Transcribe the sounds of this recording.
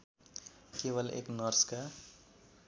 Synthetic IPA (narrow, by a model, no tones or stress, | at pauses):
keːʋəlḛːknʌɾska